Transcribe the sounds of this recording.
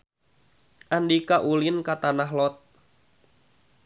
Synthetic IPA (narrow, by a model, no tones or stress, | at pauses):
ʔandikaʔulɪnkat̪anaɦlɔt̪̚